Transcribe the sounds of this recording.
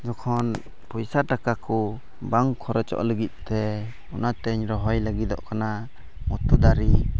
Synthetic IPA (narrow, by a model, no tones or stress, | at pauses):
d͡ʒɔkʰɔn | pujsaʈakakɔ | baŋkʰɔɾɛt͡ʃɔ̰ʔləɡit̪̚ˀt̪ɛ | ɔnat̪ɛɲɾɔɦɔjləɡid̪ɔ̰ʔkana | mɔt̪ud̪aɾi